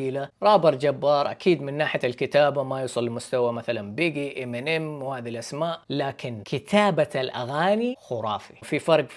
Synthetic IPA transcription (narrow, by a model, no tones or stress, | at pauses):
iːlaɾˤɑːbɨɾˤd͡ʒabːɑːɾˤʔa̰kʰiːd̪mɪnːaːħɪjalkɪt̪aːbamajuːsˤɨlːmʊst̪awamaθalanbiːɡiʔɪmnʔɛmwhaːðilʔasmaːʔlaːkɪnkʰɪt̪ʰaːbaalʔa̰ɣaːnixʊɾˤɑːfififɑɾˤɡ